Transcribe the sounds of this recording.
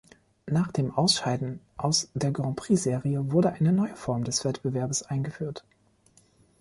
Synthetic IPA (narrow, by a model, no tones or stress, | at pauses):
naːχd̥eːmʔaʊsʃaɪdn̩ | ʔaʊsd̥eːɐɡɔ̃pʁ̥iːzeːʁiəvʊɐɾəʔaɪnənɔʏəfɔɐmdɛsv̥ɛtb̥əvɛɐbəsʔaɪnɡəfyːɐt